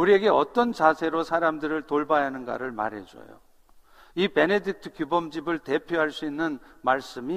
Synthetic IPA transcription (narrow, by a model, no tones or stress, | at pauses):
uɾie̞ɡe̞ʌt͈ʌnt͡ɕasʰe̞ɾosʰaɾamdɯɾɯɭtoɭbajanɯnɡa̰ɾɯɭma̰ɾɦe̞̰d͡ʑo̰jo̰ | ipe̞ne̞dik̚tʰɯ̥kjubʌmd͡ʑibɯɭte̞pʰjoɦaɭs͈uinːɯnmaɭs͈ɯmi